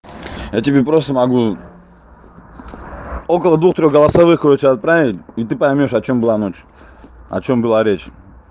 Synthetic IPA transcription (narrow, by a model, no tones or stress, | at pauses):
jatʲɪbʲepɾost̪əmɐɡu | okəlˠəd̪vuxt̪ɾʲo̞xɡəlˠɐsavɨxkɾot͡ʃɪɐt̪̚pɾavʲɪtʲit̪ɨpɐjmʲoʂɐt͡ɕo̞mbɨlˠanot͡ɕ | ɐ̰t͡ɕombɨlˠaɾʲet͡ɕ